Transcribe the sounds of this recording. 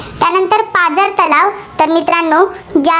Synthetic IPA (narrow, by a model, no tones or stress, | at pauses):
t̪janənt̪əɾpad͡zəɾt̪əlaʋt̪əɾmit̪ɾanːo | d͡ʑa